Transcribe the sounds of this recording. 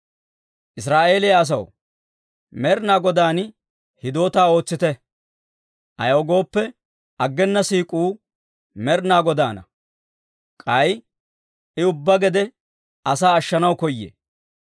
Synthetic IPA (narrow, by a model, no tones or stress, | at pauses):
ʔɪs̬ɾaːʔe̞ːlɪjɐːs̬ɐw | mɛɾnaːɡɔd̪aːn | hɪd̪o̞ːt̪aːo̞ːt͡sːɪt̪ɛ | ʔɐ̰jɐwɡo̞ːpːɛ | ʔɐɡːɛnːɐsiːkʼuː | mɛɾnaːɡɔd̪aːnɐ̰ | kʼɐj | ʔɪʊbːɐɡɛd̪ɛ | ɐsaːɐʃːɐnɐwkɔjːḛː